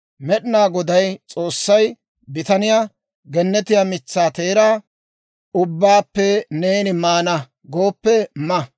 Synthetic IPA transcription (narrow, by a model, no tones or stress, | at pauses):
mɛɗɪnaːɡɔd̪ɐjt͡sʼo̞ːsːɐj | bɪt̪ɐnɪjaː | ɡɛnːɛt̪ɪjaːmɪt͡sːaːt̪e̞ːɾaː | ʊbːaːpːɛneːnɪmaːnɐ | ɡoːpːɛmɐ